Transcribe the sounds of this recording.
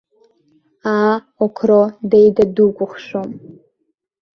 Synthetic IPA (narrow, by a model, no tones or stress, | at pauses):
aː | okʷʰrodejdadukʷʼʊχʂom